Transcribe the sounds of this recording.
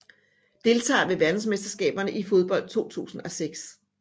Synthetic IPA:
d̥e̝lt͡sʰɑ̰̈ːʋe̝ʋæɐd̥n̩sme̝sd̥ɐsɡ̥ɛ̰ːb̥ɐnəʔifo̝ð̞ˠb̥ɒ̽l̰d̥̚t͡sʰo̝̰ːt͡sʰṵːsn̩ɒ̽seɡ̥s

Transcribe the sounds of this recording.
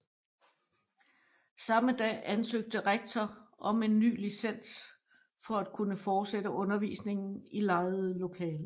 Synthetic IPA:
sɑ̈məd̥ɛ̰ːænsøɡ̥̚d̥əʁeɡ̥̚t͡sʰɒʔɒ̽me̝nːy̰ːlisen̰s | fɒ̽æd̥̚kʰunəfɒːd̥sedəʔɔ̽nɐʋḭːsne̝ŋn̩ilɑ̈ɪð̩ˠlo̝kʰɛːlə

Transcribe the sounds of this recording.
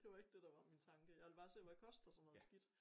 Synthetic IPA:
d̥e̝ʋɑ̈e̝ɡ̥̚d̥e̝d̥ɑ̈ʋɑ̈mint͡sʰɑ̈ŋɡ̥əjɑ̈ʋelb̥ɑ̈ːse̝̰ʋækʰɒ̽sd̥æsɔ̽nːɔ̽ðˠsɡ̥id̥

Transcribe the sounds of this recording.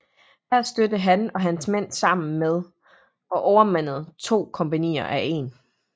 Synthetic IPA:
hæɐ̰sd̥ød̥əɦænɒ̽ɦænsmen̰sɑ̈m̰n̩með̞ˠ | ɒ̽ʔɒʊɐmæn̰ð̞̩ˠt͡sʰo̝̰ːkʰɒ̽mpænḭːɐʔæʔe̝n

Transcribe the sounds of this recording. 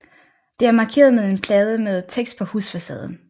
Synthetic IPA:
d̥e̝æɐmɑ̈ːkʰe̝̰ːɐð̞ˠmeð̞ˠe̝npʰlɛːð̞ˠəmeðˠt͡sʰeɡ̥sd̥̚pʰɒ̽husfæsɛ̰ːð̞ˠn̩

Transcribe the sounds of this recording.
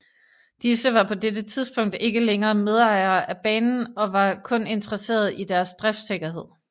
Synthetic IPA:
d̥isəʋɑ̈pʰɒ̽d̥ed̥ət͡sʰið̞ˠsb̥ɔ̽ŋ̰d̥e̝ɡ̥əleŋɐːme̝ð̞ˠɑ̈ɪ̰ɐːʔæb̥ɛ̰ːnn̩ɒ̽ʋɑ̈kʰɔ̽ne̝nt͡sʰʁɐse̝̰ːɐð̞ˠid̥æɐsd̥ʁɛfd̥seɡ̥ɐɦe̝ð̞̰ˠ

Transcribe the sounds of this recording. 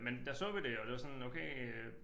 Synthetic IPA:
mend̥ɑsɔ̰̽ːʋid̥e̝ɒ̽d̥ʋɑ̈sɒ̽noʊkʰeɪ

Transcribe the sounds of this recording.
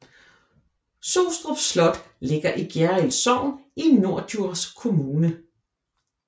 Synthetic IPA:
soʊsd̥ʁɔb̥slɒ̽d̥ | le̝ɡ̥ɐʔiɡ̥jæɐilsɒʊ̰ninːo̝ɐ̰duɐ̰skʰo̝muːnə

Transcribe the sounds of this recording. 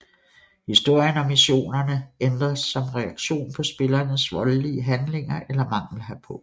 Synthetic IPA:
hisd̥o̝ɐ̰jənɒ̽mːiɕo̝̰ːnɐnəend̥ʁɐsːɒ̽mʁɛɑ̈ɡ̥ɕo̝̰ːnpʰɒ̽sb̥e̝lɐnəsʋɒ̽lliəɦænle̝ŋɐʔelɐmɑ̈ŋ̰l̩ɦæpʰɒ̽

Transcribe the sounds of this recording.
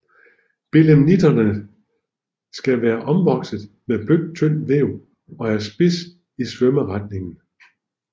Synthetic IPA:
b̥eləmnid̥ɐnə | sɡ̥æʋæːɐʔɒ̽mʋɒ̽ɡ̥səðˠ | meb̥løɡt͡sʰøn̰ʋeʊ̰ | ɒ̽æɐsb̥es | isʋœməʁɑd̥ne̝ŋn̩

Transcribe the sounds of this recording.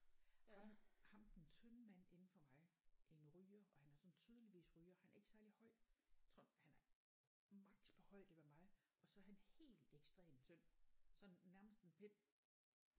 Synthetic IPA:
hɑmhɑ̈md̥ent͡sʰønəmæn̰e̝nn̩fɒ̽mɑ̈ɪʔenʁyːɐɒ̽hænæɐsɒ̽nt͡sʰyːð̞ˠəliʋḭːsʁyːɐhænæɐe̝ɡ̥əsæɐlihɒ̽ɪ̰̥t͡sʰɔhænæɐ | mɑ̈ɡ̥̚d̥pʰɒhɒ̽ɪ̰d̥eʋæmɑ̈ɪʔɒ̽sɒæɐɦænhe̝̰ːl̥eɡ̥sd̥ʁḛːmt͡sʰøn̰sɒ̽nːæɐməsd̥enpʰen̰

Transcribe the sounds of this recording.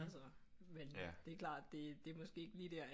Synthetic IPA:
sɒmend̥e̝æklɑ̰̈ːd̥d̥e̝d̥e̝ɐmɒ̽sɡ̥e̝̰ːeɡ̥liːd̥eɐ

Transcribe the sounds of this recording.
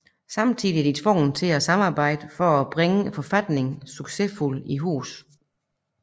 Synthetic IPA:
sɑ̈mt͡sʰḭːðˠiæɐd̥it͡sʰʋɔ̰ːn̩t͡sʰe̝æsɑ̈mɑ̈ːb̥ɑ̈ɪ̰d̥əfɒ̽æb̥ʁɛŋəfɒ̽fæd̥ne̝ŋsyɡ̥se̝fuliɦṵːs

